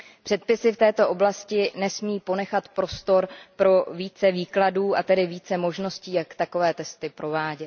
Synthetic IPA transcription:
pr̥ɛt̪̚pɪsɪft̪ɛːt̪o̞ʔoblascɪnɛsmiːpo̞nɛxat̪pɾo̞st̪o̞ɾpɾo̞viːt͡sɛviːkladuːat̪ɛdɪviːt͡sɛmo̞ʒno̞sciːjakt̪ako̞vɛːt̪ɛst̪ɪpɾo̞vaːɟɛ

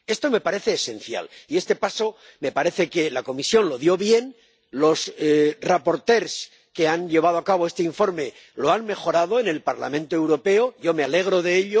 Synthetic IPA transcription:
e̞st̪o̞me̞paɾe̞θe̞ːse̞n̟θja̰lie̞st̪e̞paso̞ | me̞paɾe̞θeke̞lako̞misjo̞nlo̞ðjo̞βje̞n | lo̞srapo̞ɾt̪e̞ɾs | ke̞anʎe̞β̞að̞o̞akaβ̞o̞e̞st̪eiɱfo̞ɾme̞ | lo̞anme̞xo̞ɾað̞o̞ene̞lpaɾla̰mẽ̞nt̪oe̞wɾo̞pe̞oʝo̞me̞ale̞ɣ̞ɾo̞ðe̞eʎo

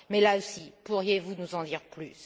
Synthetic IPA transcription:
mɛlaosipuʁjevunuzɑ̃d̪iʁply̰s

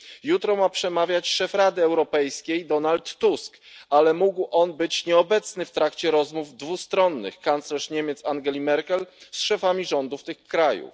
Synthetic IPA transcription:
jut̪ɾɔmapʂɛmavʲjat͡ɕʂɛfɾad̪ɘɛwɾɔpɛjskʲejd̪ɔnalt̪ːuskʔalɛmuɡwʔɔnbɘt͡ɕɲɛɔbɛt̪snɘft̪ɾakt͡ɕɛɾɔzmuvd̪vust̪ɾɔnːɘ̰xkant̪slɛʂɲemʲet̪saŋɡɛlʲimɛɾkɛlsʂɛfamʲiʐɔnd̪uft̪ɘxkɾajṵf

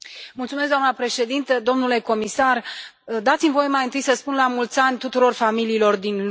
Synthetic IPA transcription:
mult̪sumes̬d̪anəpɾe̞ʃe̞d̪int̪əd̪o̞mnule̞ko̞misar | d̪at̪simvo̞je̞majɨnt̪ɨjsəspunlamult̪sanʲt̪ut̪uɾo̞rfamiliːlo̞rd̪inl

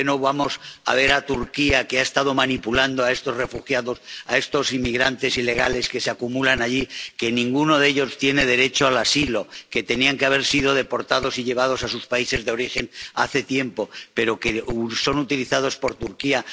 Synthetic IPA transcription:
eno̞βamo̞sa̰β̞e̞ɾat̪uɾkiakeaest̪að̞o̞manipuland̪oae̞st̪o̞zre̞fuxjaðo̞sae̞st̪o̞simːiɣɾant̪e̞sile̞ɣ̞ale̞ske̞seakumulanaʎike̞nĩŋɡuno̞ðe̞ʎo̞st̪je̞ne̞ð̞e̞ɾe̞t͡ʃoalasilo̞ke̞t̪e̞niaŋke̞aβ̞e̞ɾsið̞o̞ð̞e̞po̞ɾt̪aðo̞siʎe̞β̞að̞o̞sasuspaise̞zðeo̞ɾixe̞na̰θe̞t̪je̞mpo̞pe̞ɾo̞keso̞nut̪iliθað̞o̞spo̞ɾt̪uɾkia

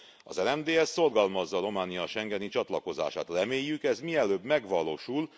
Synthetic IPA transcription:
ɒ̰zɛlɛmd̪eːɛsːo̞rɡɒlmɒzːɒːɾo̞maːnijɒʃɛŋɡɛnit͡ʃɒt̪lɒko̞za̰ːʃa̰ːt̪rɛmeːjːykɛzmiɛløːbmɛɡʋɒlo̰ːʃul

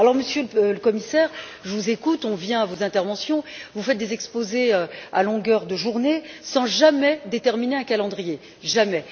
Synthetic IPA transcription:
alɔʁməsjøləkɔmisɛːʁ | ʒəvuzekut̪ɔ̃vjɛ̃avozɛ̃t̪ɛʁvɑ̃sjɔ̃vufɛt̪̚d̪ezɛkspozeøa̰lɔ̃ɡʲœʁd̪əʒuʁnesɑ̃ʒamɛd̪et̪ɛʁmineɛ̃kalɑ̃d̪ʁije | ʒamɛ

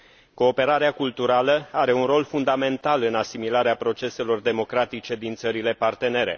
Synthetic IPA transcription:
ko̞ːpe̞ɾaɾeakult̪uɾaləaɾe̞unro̞lfund̪ame̞nt̪alɨnasimilaɾeapɾo̞t͡ʃe̞se̞lo̞rd̪e̞mo̞kɾat̪it͡ʃe̞d̪int̪səɾile̞part̪e̞ne̞ɾe̞̰

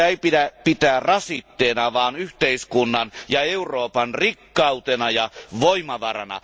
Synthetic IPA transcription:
eipidæpit̪æːrrɑsit̪ːeːnɑʋɑːnyht̪eiskunːɑnjɑeuroːpɑnrikːɑut̪enɑjɑʋoimɑʋɑrɑ̰nɑ̰

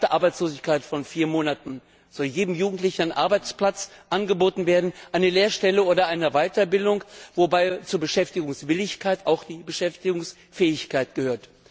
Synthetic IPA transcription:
təʔaɐbaɪt͡sloːzɪçkʰaɪtfɔnfiːɐmoːnatn̩ | z̥ɔljeːdm̩juːɡŋ̩tlɪçn̩aɪnʔa̰ɐbaɪt͡spl̥at͡sʔanɡəboːtn̩veːɐdn̩ʔaɪnəleːɐʃtɛləʔoːɾɐʔaɪnəvaɪtɐbɪldʊŋkvobaɪt͡suːɐbəʃɛftɪɡʊŋsv̥ɪlɪçkaɪtaʊxd̥iːbəʃɛftɪɡʊŋs | fɛːɪçkʰaɪtɡ̥əhøːɐt

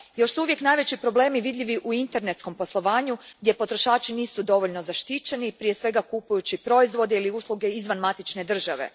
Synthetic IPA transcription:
jo̞ʃsuuʋje̞knajʋe̞t͡ɕipɾo̞ble̞ːmiʋid̪ʎʲiʋiʔuint̪e̞ɾne̞t̪sko̞mpo̞slˠo̞ʋaːɲuɡd̪ʲje̞po̞t̪ɾo̞ʃaːt͡ʃiniːsud̪o̞ʋo̞ʎno̞zaʃt̪it͡ɕe̞nipɾije̞sʋe̞ɡakupujut͡ɕipɾo̞izʋo̞d̪eiliuːslˠuɡe̞izʋanmat̪it͡ʃne̞d̪r̩ʒaʋe̞̰

